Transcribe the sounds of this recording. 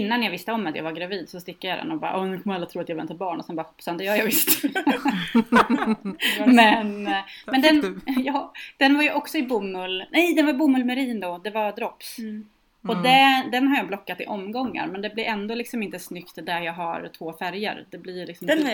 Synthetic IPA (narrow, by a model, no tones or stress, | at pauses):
ɪnːanjɑvɪst̪əɔmːat̪ja̰ːvaɾɡɾaviːd̪sɔst̪ɪkːajad̪ɛ̰nɔbɑ̰ːɾʔɔnʉkʰɔmːɾalːɾt̪ʰɾuːat̪javɛnt̪aɾbɑːɳɔsɛnbɑːpsand̪ɛjœːɾjɑːvɪst̪ | mɛnmɛnd̪ɛnjɑːd̪̥ɛnvaɾjɵʔɔksɔɪbumːɵlnɛjd̪ɛnvabumɵlmɛɾiːnd̪ɔd̪ɛvad̪ɾɔps | ɔd̪ɛd̪ɛnɦaɾjɑːblɔkːat̪ɪ̰ʔɔmːɡɔŋːa̰ɾmɛnd̪ɛblɪɾʔɛnd̪oːlɪksɔmɪnt̪əsnʏkt̪d̪æɾjɑːɡɦaɾt̪ʰvoːfæɾjə̰ɾd̪̥ɛblɪɾlɪksɔm